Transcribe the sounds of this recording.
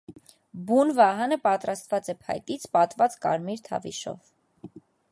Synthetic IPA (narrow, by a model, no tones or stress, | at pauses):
bunvɑɦɑnəpɑt̪ɾɑst̪vɑt͡sɛpʰɑ̰jt̪it͡sʰpɑt̪vɑt͡skɑ̰ɾmiɾt̪ʰɑ̰vḭʃɔ̰v